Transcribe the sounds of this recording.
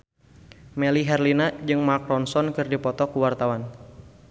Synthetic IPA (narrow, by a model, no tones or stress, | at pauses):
mɛliɦɛrlinad͡ʒɨŋmakɾɔnsɔnkɨrdipɔt̪ɔkuwart̪awan